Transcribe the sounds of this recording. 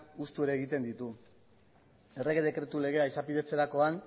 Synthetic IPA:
ust̪ue̞ɾe̞ːɣ̞it̪e̞nd̪it̪u | e̞re̞ɣeðe̞kɾe̞t̪ule̞ɣ̞e̞aisapiðe̞t͡se̞ɾako̞an

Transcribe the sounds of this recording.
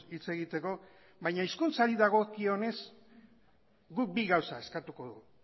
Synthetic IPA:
it͡se̞ɣit̪e̞ko̞ | βajɲaiskunt͡saɾiðaɣ̞o̞kio̞ne̞s | ɡuk̚biɣawsae̞skat̪uko̞ðu

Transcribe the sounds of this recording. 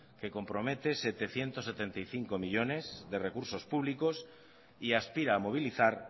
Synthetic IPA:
ke̞ko̞mpɾo̞me̞t̪e̞se̞t̪e̞θje̞nt̪osːet̪e̞nt̪ajθiŋkomiʎo̞ne̞zðe̞re̞kuɾso̞spuβliko̞s | iaspiɾaːmo̞β̞iliθaɾ

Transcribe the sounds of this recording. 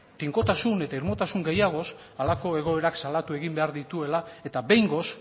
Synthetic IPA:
t̪iŋko̞t̪asune̞t̪aiɾmo̞t̪asuŋɡe̞jaɣ̞o̞s | alako̞e̞ɣo̞e̞ɾaksalat̪ue̞ɣimbe̞aɾðit̪ue̞lae̞t̪abe̞jŋɡo̞s

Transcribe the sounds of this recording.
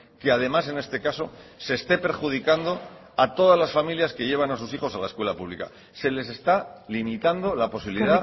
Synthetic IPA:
keað̞e̞mas̬e̞ne̞st̪e̞kaso̞se̞ːst̪e̞pe̞ɾxuð̞ikand̪o̞ | at̪o̞ð̞azlasfamiljaske̞ʝe̞β̞anas̬usixo̞salaeskwe̞lapuβlḭka̰ | se̞le̞se̞st̪alimit̪and̪o̞lapo̞siβiliða

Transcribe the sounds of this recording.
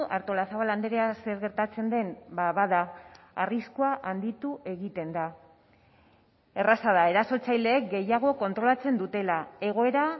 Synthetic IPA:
ʔaɾt̪o̞lasaβaland̪e̞ɾease̞ɾɣe̞ɾt̪at͡se̞nd̪e̞nbaβaða | ariskoaʔand̪it̪uʔe̞ɣit̪e̞nd̪a | e̞rasað̞ae̞ɾaso̞t͡sajle̞ːk̚ɡe̞jaɣ̞o̞ko̞nt̪ɾo̞lat͡se̞nd̪ut̪e̞lae̞ɣ̞o̞e̞ɾa

